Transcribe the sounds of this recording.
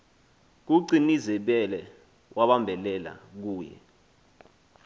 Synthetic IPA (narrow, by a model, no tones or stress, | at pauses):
k̬uǀinizɛɓɛlɛ | wʔaɓambʱɛlɛla̰k̬uːjɛ̰